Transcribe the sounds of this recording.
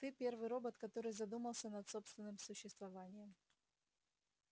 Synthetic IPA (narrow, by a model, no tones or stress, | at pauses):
t̪ɨpʲe̞rvɨjɾo̞bət̪kɐt̪o̞ɾɨjzɐd̪uməlˠsʲənɐt̪so̞pst̪vʲɪnːɨmsʊɕːɪst̪vɐvanʲɪjəm